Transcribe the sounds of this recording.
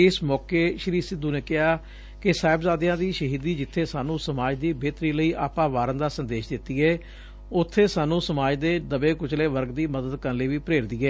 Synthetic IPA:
ɪsmɔːkeːʃəɾiːsɪd̪uːneːkɪɦaː | kɪsaːɪbzaːd̪jãːd̪iːʃəɦiːd̪iːd͡ʒɪt̪ʰːeːsaːnũːsəmaːd͡ʒd̪iːbeːt̪ɾiːləiːʔaːpãːʋaːɾənd̪aːsənd̪eːʃd̪ɪt̪ːiːɛː | ʊt̪ʰːeːsaːnũːsəmaːd͡ʒd̪eːd̪əbeːkʊt͡ʃleːʋəɾɡd̪iːməd̪əd̪kəɾləːʋiːpəɾeːɾd̪iːɛː

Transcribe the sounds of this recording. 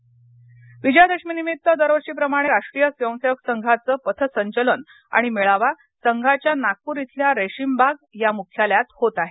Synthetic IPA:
ʋid͡ʑjad̪eɕminimit̪ːəd̪əɾʋəɕiːp̬ɾəmaɽ̃eɾaʂʈɾijəsʋjə̃w̃seʋəksəŋɡʱat͡səːpət̪ʰəsəɲt͡ɕələn | a̰ɽ̃imeɭaʋa | səŋɡʱat͡ɕjanak̚puːɾit̪ʰljaɾeɕimbʱaɡ̚jamukʰjaljat̪hot̪aɦe

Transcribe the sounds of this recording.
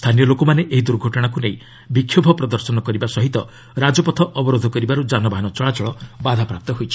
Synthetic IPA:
st̪ʰanijɔlokomaneʔeɦid̪uɾɡʱɔʈɔɽ̃akunej | bikʰːjobʱɔpɾɔd̪ɔɾsɔnɔkɔɾibasɔɦit̪ɔ | ɾad͡ʒɔpɔt̪ʰɔʔɔbɔɾod̪ʱɔkɔɾibaɾud͡ʒanɔbaɦanɔt͡ʃɔɭat͡ʃɔɭɔbad̪ʱapɾap̚t̪ɔɦojt͡ʃʰi̥

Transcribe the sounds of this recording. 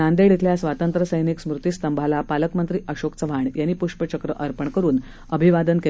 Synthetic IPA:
and̪eɽit̪ʰljasʋat̪ənt̪ɾəsəjniksmɾut̪ist̪əmbʱalapaləkmənt̪ɾiːʔəɕoksəʋʱaɳjanːiːpuʂpət͡ɕəkɾəʔəɾpəɳkəɾuːn | əbʱiʋad̪ənke

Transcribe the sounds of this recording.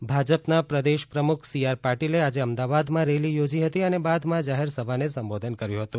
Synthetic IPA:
bʱad͡ʒəpnapɾəd̪eʃpɾəmukʰsijaɾpaɾʈilead͡ʒeəmd̪aʋad̪mãɾelijod͡ʒiɦət̪iənebad̪mãd͡ʒaɦeɾsəbʱanesəmbod̪ʱənkəɾjũɦət̪ũ

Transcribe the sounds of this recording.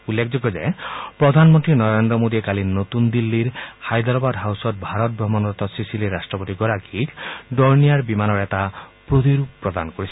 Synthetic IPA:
ulːekʰd͡ʒɔɡɔd͡ʒa̰jpɾɔd̪ʱanmɔnt̪ɾinɔɾend̪ɾɔmod̪iekalinot̪und̪ilːiɾhajd̪ɔɾɔbad̪ɦawsɔt̪̚bʱaɾɔt̪̚bɾɔmɔnɔɾt̪ɔsisiliɾːasʈɾɔpot̪iɡɔɾaɡʰikɖɔɾnijaɾbimanɔɾet̪apɾot̪iɾuppːɾɔd̪a̰nkoɾisʰi̥

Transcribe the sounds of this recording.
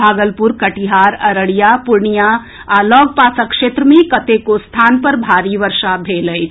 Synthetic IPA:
aːɡəlpʊɾkɐʈiɦaːɾɐɾəɽijapʊɾɳija | alɔːɡ̚paːsəkʃeːt̪ɾəmẽkɐt̪ekost̪ʰaːnpɐɾbʱaːɾiʋəɾʃabʱeːləi

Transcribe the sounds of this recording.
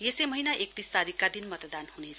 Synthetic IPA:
jesemʌɦinaʔek̚t̪ist̪aɾikːad̪inmʌt̪d̪anhunet͡sʰ

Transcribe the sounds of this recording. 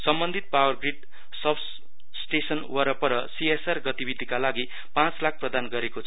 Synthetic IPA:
sʌmbʌnd̪ʱit̪̚pawʌrɡriɖ | sʌbs | sʈesʌnwʌɾʌpʌɾʌsiesʌrɡʌt̪ibid̪ʱikalaɡi | pãt͡slak̚ʰprʌd̪anɡʌɾekot͡sʰʌ

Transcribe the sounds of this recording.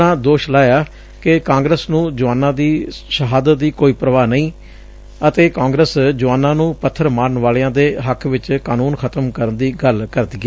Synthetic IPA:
ãːd̪oːʃlaːjaː | kɪkãːŋɡɾəsnũːd͡ʒʊʋaːnːãːd̪iːʃəɦaːd̪ət̪̚d̪iːkoːiːpɾəʋaːnəĩː | ət̪eːkãːŋɡɾəsd͡ʒʊʋaːnːãːnũːpət̪ʰːəɾmaːɾənʋaːleãːd̪eːɦəkʰʋɪt͡ʃkaːnuːnkʰət̪əmkəɾənd̪iːɡəlkəɾd̪iːɡɛː

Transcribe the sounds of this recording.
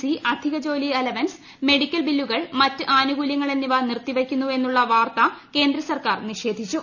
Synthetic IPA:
siʔɐd̪ʱiɣɐd͡ʑo̞ːlielɐʋɐns | me̞ɽikʲːɐlbilːuɣɐɭmɐtːɨʔaːnuɡuljɐŋːɐɭenːiʋɐnirt̪ːiʋɐkʲːunːue̞nːuɭːɐʋaːrt̪ɐke̞ːnd̪ɾɐsɐrkaːrniʂe̞ːd̪ʱit͡ɕːu

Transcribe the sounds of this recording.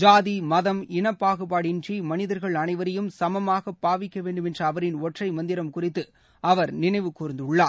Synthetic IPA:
d͡ʒaːðimɐðɐmɪnɐpːaːɣɯpːaːɽɪnrimɐnɪðɐɾɣɐɭɐnɐɪʋɐɾɐjɯmsɐmɐmaːɣɐpːaːʋɪkːɐʋeːɳɖɯmɛndrɐːʋɐɾɪnɔʈrɐɪmɐnd̪ɪɾɐmkʊrɪt̪ːɯ | ɐʋɐɾnɪnɐɪʋɯkuːɾɐnd̪ɯɭːaː

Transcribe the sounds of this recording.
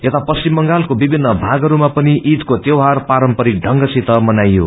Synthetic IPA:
jet̪apʌst͡ʃimːʌŋɡalkobibʱinːʌbʱaɡʌɾumapʌniʔit̪kot̪jewɦarpaɾʌmpʌɾik̚ɖʱʌŋɡʌsit̪ʌmʌnajːo̰

